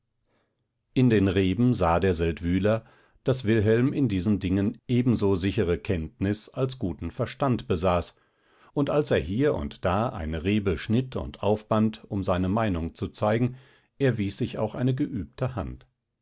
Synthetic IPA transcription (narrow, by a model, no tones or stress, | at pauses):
ʔɪndeːnʁeːbm̩zaːdeːɐzɛltv̥yːlɐ | d̥asv̥ɪlɦɛlmɪndiːzn̩dɪŋənʔeːbm̩zoːzɪçəʁəkʰɛntnɪsalsɡ̥uːtn̩fɛɐʃtantb̥əzaːs | ʊntalseːɐɦiːɐʊ̰ntd̥aːʔa̰ɪnəʁeːbəʃnɪtʰʊ̰ntʔaʊfb̥antʊmzaɪnəmaɪnʊŋt͡sut͡saɪɡŋ̩ | ʔeːɐviːsz̥ɪça̰ʊxʔaɪnəɡəʔyːp̚tʰəha̰nt